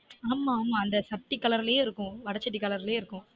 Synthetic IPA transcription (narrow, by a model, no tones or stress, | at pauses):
aːmaːmaːɐnd̪ɐsɐʈːikːɐlɐɾɪljeːɪɾɯkːʊ̃ʋɐɽɐt͡ʃːɐʈ̬ːikːɐɭɐɾɪljeːɪɾɯkːʊ̃